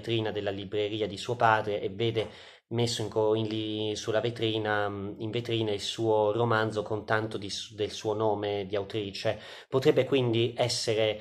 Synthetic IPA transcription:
t̪ɾiːnad̪elːalibɾeɾiːad̪isuːopaːd̪ɾeʔevːeːd̪e | mesːoiŋkoinlisulːavet̪ɾiːnaiɱvet̪ɾiːnailsuːoromand̪zokont̪ant̪od̪id̪elsuːonoːmed̪iawt̪ɾiːt͡ʃe | pot̪ɾɛbːekwind̪iɛsːeɾe

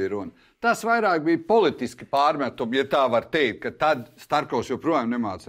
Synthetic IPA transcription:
ɾun | t̪asʋajɾaːk̚bijpɔlˠit̪iski̥paːɾmʲæt̪umjat̪aːʋaɾt̪ɛjk̚t̪̚kat̪ad̪st̪aɾkɔʊsjɛwpɾuɔjamnɛmaːt̪s

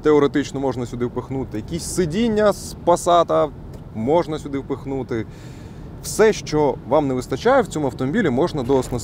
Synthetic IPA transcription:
t̪eɔɾet̪ɪt͡ʃnɔmɔʒnɐsʲʊd̪ɪwpexnut̪ɪjɐkʲisʲsɪdʲinʲːɐspɐsɑt̪ɐ | mɔʒnɐsʲʊd̪ɪwpexnut̪ɪ | wsɛʃt͡ʃɔʋɑmneʋɪst̪ɐt͡ʃajɛwt͡sʲɔmʊɐwt̪ɔmɔbʲilʲimɔʒnɐd̪ɔsnɐ

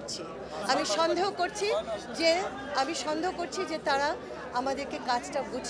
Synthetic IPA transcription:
t͡ɕʰi | amiʃɔnd̪ʱeɦokoɾt͡ɕʰid͡ʑe | amiʃɔnd̪ʱeokoɾt͡ɕʰid͡ʑet̪aɾa | amad̪eɾkekat͡ɕʈabud͡ʑʱ

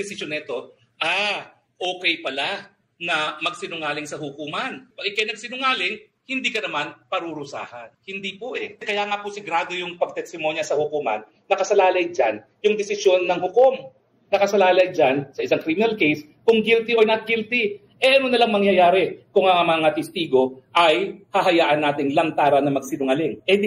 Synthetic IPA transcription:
d̪ɛsɪsjonɐɪt̪o̞ | ʔa | ʔo̞ːkɛjpɐla | nɐmɐɡ̚sɪnʊŋaːlɪŋsɐhʊkuːmɐnpɐɡɪkajnɐɡ̚sɪnʊŋaːlɪŋ | hɪnd̪iːkɐnɐmanpɐɾuɾʊsa̰ːhɐnhɪnd̪ipoʔɛkɐjaːŋapʊsɪɡɾaːd̪o̞jʊŋpɐɡ̚t̪ɛst̪ɪmo̞njɐsɐhʊkuːmɐ̰nːɐkɐsɐlaːlɐjd͡ʒan | jʊŋd̪ɛsɪsjo̞nːɐŋhʊkom | nɐkɐsɐlaːlɐjd͡ʒansɐʔɪsaŋkɾimɪnɐlkejs | kʊŋɡilt̪ɪʔojnɐt̪̚ɡilt̪ɪ | ʔɛʔɐnonɐlaŋmɐŋjɐjaːɾɛkʊŋɐamɐŋat̪ɛst̪iːɡo̞ʔɐjhɐɦɐjaːʔɐnːaːt̪ɪŋlɐŋt̪aːɾɐnɐmɐɡ̚sɪnʊŋalɪŋʔɛ

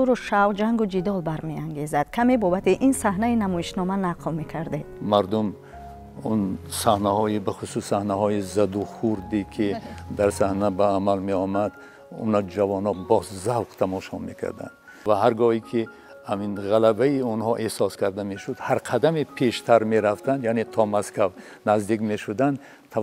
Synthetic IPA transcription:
uɾuʃawd͡ʒaŋɡud͡ʒid̪ɔlbaɾmeaŋɡe̞zad̪̥kʰame̞bɔbat̪ʰiʔinsahnainamɔiʃnɔmanaqlme̞kʰaɾd̪ed̪̥maɾd̪um | unsahnahɔibaχususːahnahɔizad̪uχuɾd̪ikʰid̪aɾsahnabaːmalmeɔmad̪ | ṵnad͡ʒavɔnɔbɔszalqt̪ʰamɔʃɔme̞kʰa̰ɾd̪a̰nd̪ | vaɦaɾɡɔikʰi | haminʁalabaiunhɔʔehsɔskʰaɾd̪ameʃud̪haɾqʰad̪amipʰeʃt̪ʰaɾmeɾaft̪ʰand̪janet̪ʰɔmaskav | nazd̪ikme̞ʃud̪and̪ | t̪ʰ

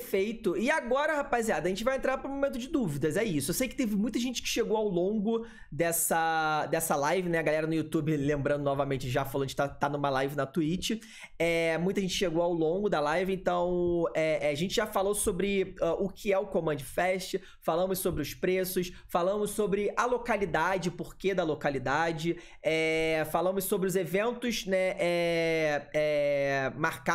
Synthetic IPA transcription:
fejt̪ʊɪaɡɔɾɐhapaziad̪ɐʒẽnt͡ʃɪvajẽnt̪ɾaɾpɾũmomẽnt̪ʊd͡ʒɪd̪uvid̪ɐzɛisʊewsejkɪ̥t̪evɪmũj̃t̪ɐʒẽnt͡ʃɪ̥kɪ̥ʃeɡowawlõɡʊ | d̪ɛsɐd̪ɛsɐlajvɪnɛɐɡalɛɾɐnʊjut̪ubɪlẽmbɾɐ̃nd̪ʊnɔvɐmẽnt͡ʃɪʒafalõɐʒẽkt̪at̪anũmɐlajvɪnɐt̪uit͡ʃɪ | ɛmũj̃t̪ɐʒẽnt͡ʃɪ̥ʃeɡowawlõɡʊd̪ɐlajvɪẽnt̪ɐ̃w̃ɛaʒẽnt͡ʃɪʒafalosobɾɪaʔʊkʰɪɛʊkõmɐ̃d͡ʒɪfɛʃt͡ʃɐ | falɐ̃mʊssobɾɪʊspɾesʊs | falɐ̃mʊssobɾɪʔɐlokalid̪ad͡ʒɪpoɾked̪ɐlokalid̪ad͡ʒɪ | ɛfalɐ̃mʊssobɾɪʊzevẽnt̪ʊsnɛʔɛ | ɛ | maɾka

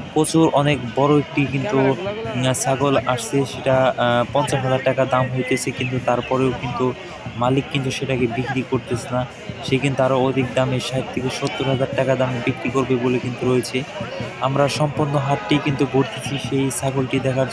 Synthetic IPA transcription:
kot͡ɕʰuɾʔɔnekbɔɾoek̚ʈikint̪u | saɡolaʃt͡ɕʰeʃeʈapɔnt͡ɕaʃɦad͡ʑaɾʈakad̪amɦojt̪et͡ɕʰekint̪ut̪aɾpɔɾeokint̪u | malikːint̪uʃeʈakebikɾikoɾt̪et͡ɕʰna | ʃekint̪uaɾood̪ʱik̚d̪ameʃaɦit̪ʰːikeʃot̪ːoɾɦad͡ʑaɾʈakad̪amebikɾikoɾbebolekint̪uɾojet͡ɕʰeamɾaʃɔmpoɾnoɦaʈʈikint̪uɡʱoɾt̪ʰet͡ɕʰiʃejsaɡolʈid̪ɛkʰaɾd͡ʑ

